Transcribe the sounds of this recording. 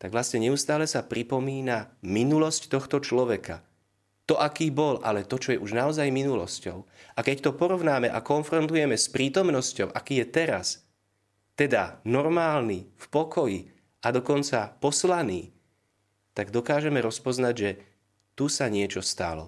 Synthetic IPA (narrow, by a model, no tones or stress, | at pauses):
t̪aɡʋlasɲɛɲɛust̪aːlɛsapɾipɔmiːnaminulɔsct̪ɔxt̪ɔt͡ʃlɔʋɛka̰ | t̪ɔʔakiːbɔlʔa̰lɛt̪ɔt͡ʃɔjɛʔuʒnaɔzajminulɔscɔʊʔakɛct̪ɔpɔɾɔʋnaːmɛʔakɔnfɾɔnt̪ujɛmɛspɾiːt̪ɔmnɔscɔʊʔakiːjɛt̪ɛɾa̰s | t̪ɛd̪anɔɾmaːlnifpɔkɔji | ad̪ɔkɔnt͡sapɔslaniː | t̪aɡd̪ɔkaːʒɛmɛɾɔspɔznaɟʒɛ | t̪usaɲɪɛt͡ʃɔst̪a̰lɔ̰